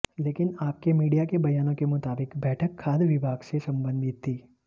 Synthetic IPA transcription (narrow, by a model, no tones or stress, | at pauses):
leːkɪnaːp̚kemiːɖijakebɐjaːnõkemʊt̪aːbɪkbɛːʈʰəkʰːaːd̪ʋɪbʱaːɡsesɐ̃mbə̃nd̪ʱɪt̪ʰːiː